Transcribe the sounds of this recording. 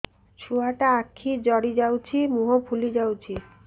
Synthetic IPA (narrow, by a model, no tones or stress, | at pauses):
t͡ɕʰuaʈaakʰːid͡ʑɔɽid͡ʑawt͡ɕʰimuɦopʰulid͡ʑawt͡ɕʰi